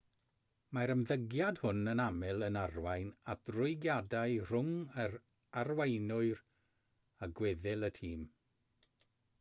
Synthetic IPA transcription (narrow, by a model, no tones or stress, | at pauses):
maɾəmðəɡjad̥hʊnənamɛlˠənarwajnad̥rʊɨɡjadaɨr̥ʊŋər | arwajnʊɨr | aɡwɛðɪlˠətʰiːm